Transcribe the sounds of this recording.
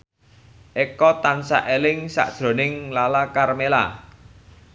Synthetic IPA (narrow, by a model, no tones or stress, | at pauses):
ʔekɔt̪ansa̰ʔelɪŋsa̰ʔd̥ʒ̥ɾo̤nɪŋlalakarmela̰